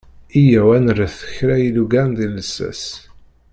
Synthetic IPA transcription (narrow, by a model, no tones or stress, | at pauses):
ijæwænərəθə̥çɾæjiluɡæɾnðiləsːæ̰s